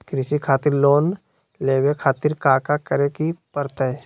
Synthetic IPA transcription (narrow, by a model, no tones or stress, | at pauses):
kɾɪsikʰaːt̪ɪɾloːn | leːwekʰaːt̪ɪɾkaːkakəɾekipəɾt̪əɛ